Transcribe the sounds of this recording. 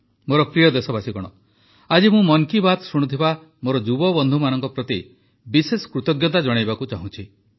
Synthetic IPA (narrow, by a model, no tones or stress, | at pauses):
moɾɔkɾijɔd̪esɔbasikɔɽ̃ɔ̰ | ad͡ʒimũmɔŋkibat̪suɽ̃ut̪ʰiba | moɾɔd͡ʒubɔbɔnd̪ʱumanɔŋkɔpɾɔt̪i | bisesɔ̥kɾut̪ɔɡjɔt̪ad͡ʒɔɽ̃ajbakut͡ʃaɦũt͡ʃʰi